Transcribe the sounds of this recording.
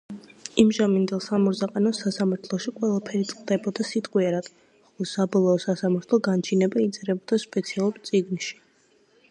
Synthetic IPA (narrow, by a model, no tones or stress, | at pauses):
imʒamind̪ɛlˠsamɔɾzaqʼanɔsasamaɾt̪ʰlˠɔʃiqʼwɛlˠapʰɛɾit̪sʼqʼd̪ɛbɔd̪asit̪ʼqʼwiaɾat̪ʼɔ | χɔlˠɔsabɔlˠɔːsasamaɾt̪ʰlˠɔɡant͡ʃʰinɛbait̪sʼɛɾɛbɔd̪aspʼɛt̪sʰialˠuɾt̪sʼiɡnʃi̥